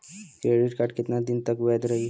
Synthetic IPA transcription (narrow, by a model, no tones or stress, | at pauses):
kɾeɽiʈkaɾʈkit̪nad̪int̪əkʋəjd̪ɾəi